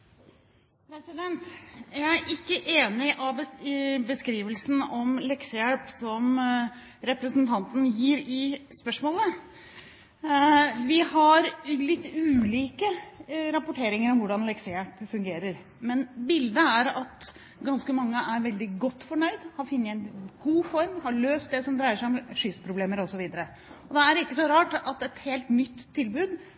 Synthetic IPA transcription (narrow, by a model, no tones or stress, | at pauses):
pʰɾɛsɪd̪ɛnt̪jæɪæɾʔɪkːəʔeːnɪʔɑʋəbəskɾiːʋəlsn̩ɔmlɛksəjæɭpsɔm | ɾɛpɾəsnt̪ʰɑnt̪n̩jiːɾɪspœʂmoːlə | ʋɪhɑɾlɪt̪ːʉːliːkəɾɑpʊʈʰeːɾɪŋəɾɔmʋʊɖɑnlɛksɛæpfʉŋɡeːɾəɾ | mɛnbɪld̪əæɾɑt̪ | ɡɑnskəmɑŋːəʔæɾʋɛld̪ɪɡɔt̪ːfɔɳœʏd̪hɑɾfʏnːəɛnɡ̥uːfɔɾmhɑɭøːst̪̚d̪ɛsɔmd̪ɾæɪəʂæɔmʂʏspʰɾʊbleːməɾɔsɔʋiːd̪əɾə | ɔd̪ɛæɾɪkːəsɔɾɑːʈɑt̪ɛt̪heːlt̪nʏt̪ʰːɪlbʉːd̪